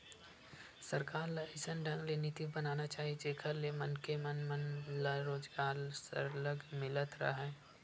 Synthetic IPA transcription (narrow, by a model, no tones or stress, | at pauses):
səɾkaːɾlaɪsənɖə̃ŋɡlenɪt̪ibənaːnat͡ʃaːɦit͡ʃeːkʰəɾlemənkemənmənlaɾoːd͡ʒɡaːɾsə̰ɾləɡmɪlət̪ɾə̰ɦɛː